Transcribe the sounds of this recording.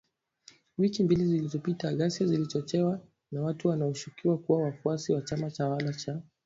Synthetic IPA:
wikimbilizilizɔpitaɠasjazilit͡ʃɔt͡ʃɛwa | nawatuwanaɔʃukiwakuwawafuasiwat͡ʃamat͡ʃawalat͡ʃa

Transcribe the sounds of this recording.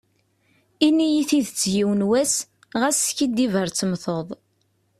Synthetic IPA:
inːijiθiðt͡sːjiwnwæs | ʁæsçid̪ːivəɾt͡sːəmθoðˤ

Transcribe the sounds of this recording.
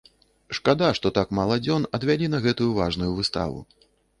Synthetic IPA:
ʂkad̪aʂt̪ɔt̪akmalˠɐd͡zʲɔnɐd̪vʲalʲinɐɣɛt̪ujuvaʐnujuvɨst̪a̰vṵ

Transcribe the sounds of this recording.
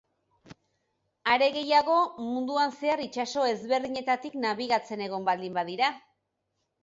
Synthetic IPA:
aɾe̞ɣe̞jaɣo̞mund̪uanse̞aɾit͡ʃaso̞e̞zβe̞ɾðiɲe̞t̪at̪iknaβ̞iɣ̞at͡se̞ne̞ɣ̞o̞mbald̪imbaðiɾa

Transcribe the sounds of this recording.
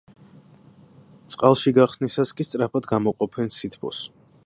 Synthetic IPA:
t̪sʼqʼalˠʃiɡaχsnisaskʼist̪sʼɾapʰad̪ɡamɔqʼɔpʰɛnsit̪ʰbʰɔ̰s

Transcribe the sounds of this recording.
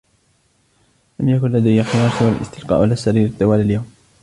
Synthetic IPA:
lamjakʊnlad̪ajːaxɪjɑːɾsɪwalʔɪ̰st̪ɪlqɑ̰ːʔalasːaɾiːɾɪt̪ˤːɨwaːlaljawm

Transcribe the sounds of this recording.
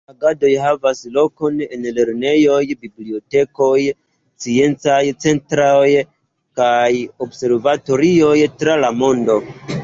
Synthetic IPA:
aɡado̞jɦavaslo̞ko̞ne̞nle̞ɾne̞jo̞jbiblio̞te̞ko̞j | t͡sie̞nt͡sajt͡se̞ntɾaj | kajo̞bse̞ɾvato̞ɾio̞jtɾalamo̞ndo̞

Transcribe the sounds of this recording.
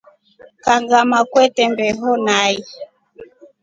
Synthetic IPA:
kaŋɡamakwɛtɛmbɛɦɔnai

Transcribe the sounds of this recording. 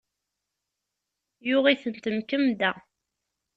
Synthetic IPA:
jʊʁiθənt̪əmkəmd̪æ

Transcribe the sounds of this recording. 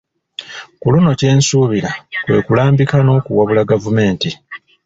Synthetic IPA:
kuluno̞ce̞ːnsuːβiɾakwe̞ːkulaːmbikano̞ːkuwaβulaɡavume̞ːnti

